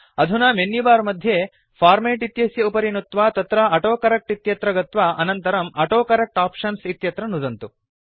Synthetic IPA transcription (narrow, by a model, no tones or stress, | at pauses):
ɐd̪ʱunaːmenːibaːɾmɐd̪ʱje | pʰaːɾmeːʈit̪jɐsjɐupɐɾinut̪ʋaːt̪ɐt̪ɾɐɐʈoːkɐɾɐk̚ʈit̪jɐt̪ɾɐɡɐt̪ʋaːʔɐnɐnt̪ɐɾɐmɐʈoːkɐɾɐk̚ʈaːpʂɐnsit̪jɐt̪ɾɐnud̪ɐnt̪u